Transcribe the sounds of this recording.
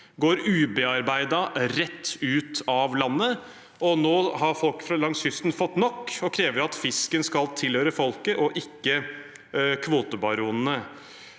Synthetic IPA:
ɡoːɾʉːbɛɑɾbæɪd̪ɑɾɛt̪ːʉːt̪ɑʋlɑnːə | ɔnoːhɑɾfɔlkfɾɑlɑŋshʏst̪nfɔt̪ːnɔkːɔkʰɾeːʋəɾɑt̪fɪskənskɑlt̪ʰɪlhøːɾəfɔlkəʔɔʔɪkːə | kʰʋoːt̪əbɑɾuːnnə

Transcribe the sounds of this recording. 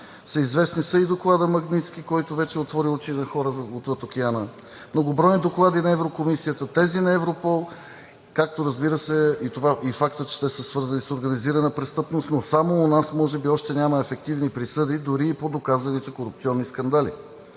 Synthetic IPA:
səizvɛsnisəid̪oklˠad̪əmɐɡnit̪sk̟ʲikɔjt̪ovɛt͡ʃɛot̪vɔɾiut͡ʃinɐxɔɾəzot̪vət̪ok̟ianə | mnoɡʊbɾɔjnid̪oklˠad̪inɐɛvɾokomisiət̪ət̪ɛzinɐɛvɾopɔlˠ | kak̚t̪oɾəzbiɾəsɛit̪ovaʔifakt̪ət͡ʃɛ̥t̪ɛsəsvɤɾzənisoɾɡɐniziɾənəpɾɛst̪ɤpnost̪nosamoːnasmɔʒɛbiɔʃt̪ɛnʲamɐɛfɛk̚t̪ivnipɾisɤd̪id̪ʊɾiːpod̪okazɐnit̪ɛkoɾupt̪siɔnːiskɐnd̪alḭ

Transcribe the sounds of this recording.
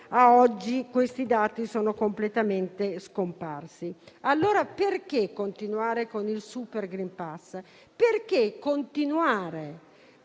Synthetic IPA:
aɔd͡ʒːikwest̪id̪aːt̪isoːnokomplet̪ament̪eskompa̰rsialːoːɾaperk̟ekːont̪inuaːɾekonilsuperɡɾimpas | perk̟ekːont̪inuaːɾe

